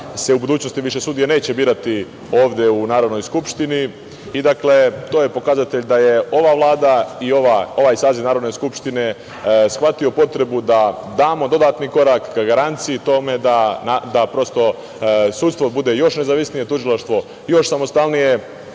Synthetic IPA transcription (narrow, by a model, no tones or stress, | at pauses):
se̞ubud̪uːt͡ɕnost̪iʋiʃe̞suːd̪ijene̞ːt͡ɕe̞biːɾat̪i | o̞ːʋd̪je̞unaːɾod̪nojskupʃt̪iniː | d̪akle̞t̪oːje̞po̞kazat̪e̞ʎd̪aje̞o̞ʋaʋlˠaːd̪aioʋao̞ʋaːjsaːzinaːɾo̞d̪ne̞skupʃt̪ine̞ | sxʋat̪io̞po̞t̪ɾe̞bud̪a | d̪aːmo̞d̪o̞d̪aːt̪niko̞ɾakːaɡaɾant̪siit̪o̞me̞d̪anad̪apɾo̞st̪o̞ | suːt̪st̪ʋo̞bud̪e̞jo̞ʃne̞zaːʋisnije̞t̪uʒilˠaʃt̪ʋo̞ | jo̞ʃsamo̞st̪alnije̞